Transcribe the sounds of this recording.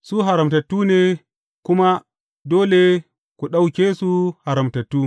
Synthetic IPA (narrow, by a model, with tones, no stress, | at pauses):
su˦ɦa˨ɾɐ˨mtɐ˨tːuː˦ne˨ | ku˦ma˦ | doː˦le˨ | ku˨ɗa˦wkʲe˦su˦ha˨ɾɐ˨mtɐ˨tːuː˦